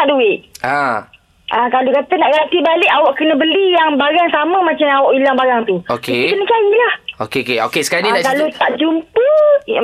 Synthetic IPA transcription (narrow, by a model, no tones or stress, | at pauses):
aʔduɪʔa | ʔakalokat̪ənaʔɡant̪ibalɪʔawaʔkənə̃bəlijaŋbaɾaŋsamə̃mat͡ʃamawɔʔilaŋbaɾaŋt̪uokeit̪unət͡ʃajilahokeokeo̰kesə̥kaninakalot̪aʔd͡ʒumpə